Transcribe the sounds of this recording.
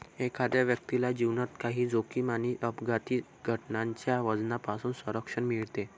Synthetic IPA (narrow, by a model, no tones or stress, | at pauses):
ekʰad̪jaʋjək̚t̪ilad͡ʑiʋnat̪kaɦiːd͡zokiːmaniːʔəpɡat̪iː | ɡʱəʈnaɲt͡ɕjaʋəd͡znapasuːnsʋəɾəkʂəɳmiɭt̪e